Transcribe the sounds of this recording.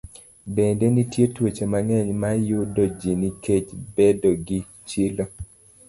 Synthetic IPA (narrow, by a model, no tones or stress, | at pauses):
bendenitjetwet͡ʃemaŋɛɲmajʊdɔd͡ʒiniket͡ʃbedoɡi | t͡ʃilo